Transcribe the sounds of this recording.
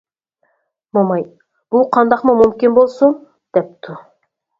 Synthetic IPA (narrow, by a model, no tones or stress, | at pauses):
momɑj | b̥ʊqʰɑnd̪ɑqməmʏmkʲɪnbolˠsum | d̪̥ep̚t̪ʰʊ